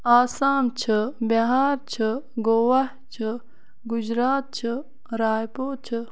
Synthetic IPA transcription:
aːsaːmt͡ʃʰɨbɐɦaːɾt͡ʃt͡ɕʰɨɡoːwɐht͡ʃʰɨ | ɡud͡ʑɾaːt̪̚t͡ʃʰɨ | ɾaːjpoːt͡ʃʰɨ

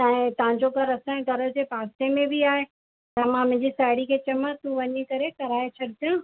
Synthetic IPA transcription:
t̪ɐ̃ɦɪ̃t̪ɐɦãɲd͡ʑoɡʱɐɾɐsãẽɡ̪ʱɐɾə̆d͡ʑeːpaːst̪emẽbiaːɦe | t̪ɐmãmʊ̃ɦɪ̃ɲd͡ʑisaːɪɽikʰeːt͡ɕɐmət̪uʋɐɲikɐɾekɐɾaːet͡ɕʰɐɽɪt̪jãː

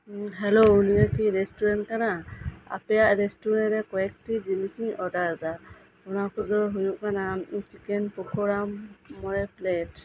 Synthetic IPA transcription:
ɦɛlouniakiɾesʈuɾɛn̚kanaa̰pɛjaʔɾesʈuɾɛnɾɛkɔɛk̚ʈid͡ʒimisiɲɔdaɾda | ɔnakʰɔzɔɦujuʔkanat͡ʃikɛnpɔkʰɔɾamːɔɾɛplet

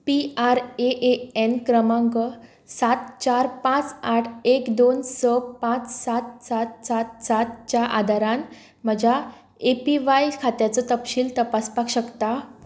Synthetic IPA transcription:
piaɾeʔeenkɾəmãŋɡə | sat̪t͡ɕaɾpãt͡saʈʰekd̪onsəpãt͡ssat̪sat̪sat̪sat̪t͡ɕaʔad̪ʱaɾãn | m̤əd͡ʑa | epiʋajkʰat̪jat͡sɔt̪əpɕiːlt̪əpaspakɕəkt̪a

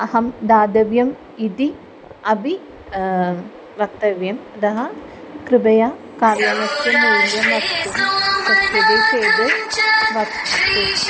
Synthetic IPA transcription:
ɐhɐmd̪aːd̪ɐʋjɐm | id̪i | ɐbi | ʋɐk̚t̪ːɐʋjɐmɐd̪ɐɦɐ | kɾɨbɐja | kaːljaːnɐst̪jɐmːeːɾjɐmʋɐst̪umsɐst̪ɐd̪eseːd̪eʋɐsɐt̪u

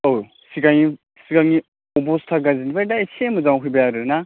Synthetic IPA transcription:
ow | siɡaŋi | siɡaŋi | ɔbɔstʰaɡazinibajdaesʰemɯzawɦujbajaɾɯna

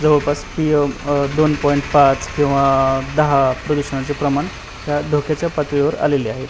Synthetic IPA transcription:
d͡zəʋəɭpaspijod̪onpɔiɳʈpat͡skĩw̃ʋad̪əɦapɾəd̪uɕəɳat͡sepɾəmaɳ | ɦ̪jad̪ʱokʰat͡ɕjapat̪ʋeʋəɾa̰leleaɦet̪

